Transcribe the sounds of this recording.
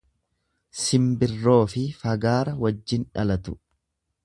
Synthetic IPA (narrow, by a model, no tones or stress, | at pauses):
sɪmbɪrːo̞ːfɪfɐɡaːɾɐwɐd͡ʒːɪnᶑɐ̰lɐt̪ʊ̥